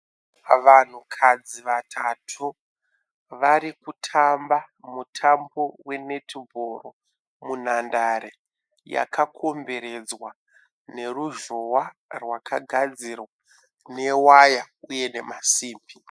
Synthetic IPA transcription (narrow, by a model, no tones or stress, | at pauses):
ʋan̤ukʰad͡ziʋatʰatʰu | ʋaɾikutʰamba | mutʰambo̞we̞ne̞tʰibʱoro | mun̤andaɾe | ja̰kʰakʰo̞mbe̞ɾe̞d͡zwa | ne̞ruʒowarwakʰaɡʱad͡zirwa | ne̞waja | uje̞ne̞masiːmbi